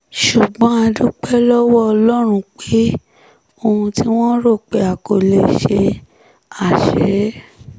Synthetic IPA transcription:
ʃu˨ɡ͡bɔ̃˨˦a˧du˦k͡pɛ˦lɔ˦wɔ˦ɔ˧lɔ˦ɾ̃ũ˧k͡pe˦ | o˧hũ˧ti˦w̃ɔ̃˦ɾo˦˨k͡pe˨a˨ko˨le˧i˨ʃe˧ | a˨ʃɛ˨˦

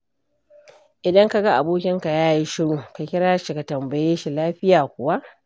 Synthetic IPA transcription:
ʔɪ˨dɐ˦ŋka˨ɡa˦ʔa˨boː˦kʲɪ˦ŋka˨jaː˦ji˦ʃɪ˦ɽuː˨ka˨kʲɪ˦ɽaː˦ʃi˨ka˨tɐ˨mbɐ˨jeː˦ʃi˨laː˦ɸɪ˦jaː˨kʷʊ˨wa˦ʔ

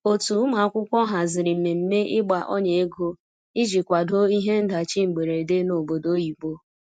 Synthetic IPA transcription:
o˨tu˨˦ma˨a˦kʷʊ˦kʷɔ˦ɦa˨zɪ˨ɾɪ˨m̩˨me˨m̩˦me˦ʔɪ˦ɡ͡ba˨ʔɔ˦ɲe˨e˦ɡo˦ | i˦d͡ʒi˨kʷa˨do˦i˦ɦe˦n̩˦da˨t͡ʃi˦ŋ͡m̩˨ɡ͡be˨ɾe˨de˦no˨bo˨do˦ji˨ɡ͡bo˦

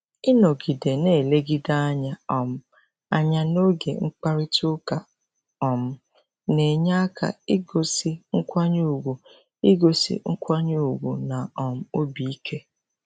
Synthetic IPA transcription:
ɪ˦no˨ɡi˨de˨ne˦˨le˦ɡi˦da˦a˦ɲa˦ɔ˨m̩˦ | a̰˦ɲa˦no˦ɡḛ˨ŋ͡m̩˦k͡pa˦ɾi˦tʊ˦ka˨ | ɔ˨m̩˦ | ne˨ɲa˦a˦kʰa̰˨ɪ˦ɡo˦si˦ŋ̩˦kʷa˦ɲu˦˨u˨ɡʷu˨ | ɪ˦ɡo˨sḭ˦ŋ̩˦kʷa˦ɲu˦u˨ɡʷṵ˨na˨ɔ˨m̩˦o˦bi˨i˦kʰe˦

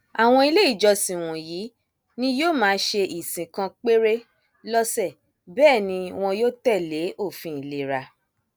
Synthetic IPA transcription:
a˨w̃ɔ̃˧i˧le˦i˦˨d͡ʒɔ˧sĩ˨w̃ɔ̃˨ji˨˦ | nĩ˦joː˦˨mãː˨˦ʃe˧ʔi˨sĩ˨kã˧k͡pe˦ɾe˦ | lɔ˦sɛ˦˨ | bɛː˦˨nĩ˧w̃ɔ̃˧joː˦tɛ˦˨le˨˦o˦˨fĩ˨˦i˨le˦ɾa˧

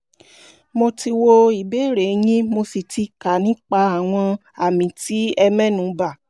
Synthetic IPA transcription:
mo˧ti˧wo˧i˨be˨˦˨ɾe˨˦j̃ĩ˦mo˧si˨ti˧ka˨nĩ˨˦k͡pa˧a˨w̃ɔ̃˧ | a˨mĩ˨ti˦ɛ˧mɛ̃˦nũ˨˦ba˦˨

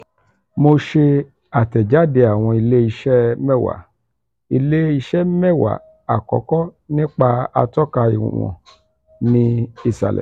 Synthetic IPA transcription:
mo˧ʃe˧ | a˨tɛ˨d͡ʒa˨˦˨de˧a˨w̃ɔ̃˧i˧le˦i˧ʃɛ˦mɛ˦˨wa̰˨ | i˧le˦i˧ʃɛ˦mɛ˦˨wa̰˨ | a̰˨kɔ̰˨˦kɔ˦nĩ˦k͡pa˧a̰˧tɔ˦ka˧i˨ṵ˨wɔ̰̃˨ | nĩ˧i˦˨sa̰˨lɛ̰˨

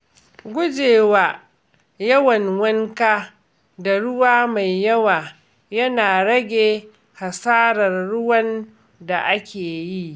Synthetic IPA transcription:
ɡʷʊ˦d͡ʒeː˨waː˨ | jɐ˦wɐ˨ŋwɐ˦ŋkaː˦ | da˨ɽʊ˦waː˦ma˨jːɐ˦waː˨ | jɐ˦naː˨ɽɐ˦ɡʲeː˨ | ha˨saː˦ɾɐ˨rːʊ˦wɐ˦n | da˨ʔa˦kʲeː˨ji˦ʔ

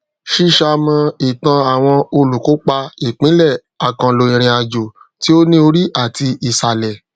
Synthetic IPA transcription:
ʃi˦ʃa˧mã˧i˨tã˧a˨w̃ɔ̃˧o˧lu˨ko˨˦k͡pa˧i˨k͡pĩ˨˦lɛ˦˨ | a˨kã˧lo˧ĩ˧ɾ̃ĩ˧a˧d͡ʒo˨ | ti˨˦o˦nĩ˦o˧ɾi˦ʔa˦˨ti˧i˨sa˨lɛ˨

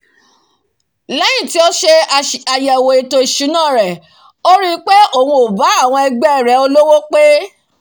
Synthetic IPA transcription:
lɛ˦j̃ĩ˦˨ti˨˦o˦ʃe˧a˨jɛ˨wo˨e˨to˧i˨ʃu˨˦nãː˦˨ɾɛ˨ | o˦ɾi˦k͡pe˦o˦˨hũ˧o˨ba˨˦a˦˨w̃ɔ̃˧ɛ˧ɡ͡bɛ˦˨ɾɛ˨˦o˧lo˦wo˦k͡pe˦

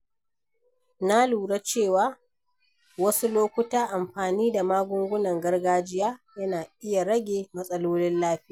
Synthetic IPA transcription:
na˦luː˨ɽa˦t͡ʃeː˦˨waː˦ | wɐ˦su˦loː˦kʷʊ˦taː˦ʔa˨mɸaː˨niː˦da˨maː˦ɡʷʊ˦ŋɡʷʊ˦nɐ˨ŋɡɐ˦rɡaː˦d͡ʒɪ˦jaː˦jɐ˦naː˨ʔɪ˦ja˨ɽɐ˦ɡʲeː˨mɐ˦sʼɐ˦loː˦lɪ˦nlaː˦ɸɪ˦jaː˨

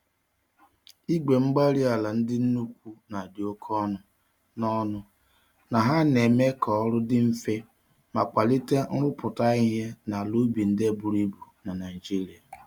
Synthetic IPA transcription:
i˦ɡ͡be˨ŋ͡m̩˦ɡ͡ba˦ɾi˦a˨la˨n̩˦dɪ˦n̩˦nu˦kʷu˦na˨dɪ˨o˦kʰɔ˦nʊ˨ | nɔ˦nʊ˦ | na˨ɦa˦ne˨me˦kɔ˨ɔ˦ɾʊ˦dɪ˦m̩˦fe˦ | ma˨k͡pa˨li˦te˦ʊ˦pʊ˨ta˦i˦ɦe˦na˨lu˦bi˨n̩˦de˦˨bu˨ɾu˦i˦bu˨na˨na˨i˨d͡ʒi˦ɾi˨a˨

